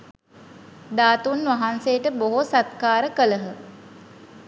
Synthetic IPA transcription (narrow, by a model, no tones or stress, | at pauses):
d̪aːt̪unʋaɦansejʈəboɦosat̪̚kaːɾəkələɦə